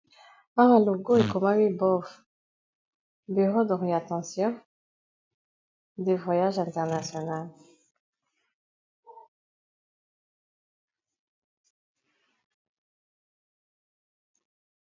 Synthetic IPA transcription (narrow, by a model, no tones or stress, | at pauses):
aʁaloɡoekɔmawibɔf | byʁod̪ɔʁiat̪ɑ̃sjɔ̃ | d̪evwajaʒɛ̃nt̪ɛʁnasjɔnal